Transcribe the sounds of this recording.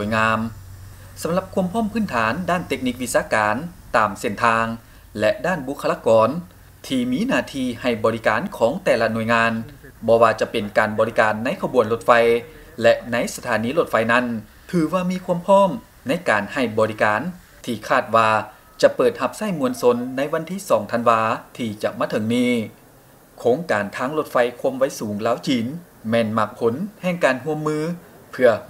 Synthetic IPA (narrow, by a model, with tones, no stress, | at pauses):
nu˨əjŋaː˧m | sa˨˦mla˧p̚kʰu˧˥əmpʰɔː˥˩˨mpʰɯː˥˩nt̪ʰaː˨˦ndaː˥˩nt̪e˦˧˥k̚ni˧k̚ʋi˧˥saː˧˥kaː˨˩nt̪aː˨˩mse˧˩nt̪ʰaː˧ŋ | lɛ˧ʔdaː˥˩nbu˧˥kʰːa˧laː˧kɔː˨˧n | t̪ʰiː˧miː˧˥˨naː˧˩t̪ʰiː˧ha˧˩jbɔː˨˩li˦˧˥kaː˨˩nkʰɔː˨˦ŋt̪ɛː˧la˧nu˧˩əjŋaː˧nbɔː˧waː˧t͡ɕa˧˩pe˨˩nkaː˨nbɔː˨˧li˦˧kaː˨nːa˧˥˨jkʰa˧bu˨˩ənlo˧˥t̪̚fa˧j | lɛ˧ʔna˧˥jsa˧t̪ʰaː˨˩˦niː˧˥lo˧˩t̪̚fa˧jna˧˥˩n | t̪ʰɯː˨˧˦waː˧miː˧˥˧kʰu˧˥əmpʰɔː˥˨m | na˧˥jkaː˨˩nha˧˩jbɔː˨ɾi˦˧kaː˨˩n | t̪ʰiː˧˩kʰaː˧˥˩t̪̚waː˧ | t͡ɕa˧pɤː˨˩t̪̚ha˧p̚sa˧˥˩jmu˧ənso˧nːa˧˥jwa˧˥nt̪ʰiː˧˥˩sɔː˨˦ŋt̪ʰa˧nwaː˧t̪ʰiː˧t͡ɕa˧˩ʔmaː˧˥˩t̪ʰɤ˨˦ŋniː˧˥˩ | kʰoː˧˥ŋkaː˨˩nt̪ʰaː˧˥ŋlo˧˩t̪̚fa˧jkʰu˧˥əmʋa˧˥˩jsuː˨˦ŋlaː˧˥˨wt͡ɕiː˨˩n | mɛː˧˩nma˧˩k̚pʰo˨˦nhɛː˧˩ŋkaː˨˩nɦu˧əmːɯː˧pʰɯ˧ɐ